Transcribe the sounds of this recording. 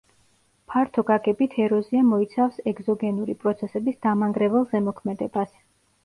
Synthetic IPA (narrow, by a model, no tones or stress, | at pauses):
pʰaɾt̪ʰɔɡaɡɛbit̪ʰɛɾɔziamɔit̪sʰafsɛɡzɔɡɛnuɾipʼɾɔt̪sʰɛsɛbisd̪̥amaŋɡɾɛvɛlˠzɛmɔkʰmɛd̪ɛbas